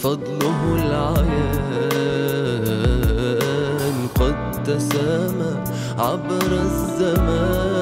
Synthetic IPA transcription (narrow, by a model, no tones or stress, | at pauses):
fɑd̪ˤlʊɦlʕaja | nqɑd̪ | t̪ːasama | ʕabɾazːamaː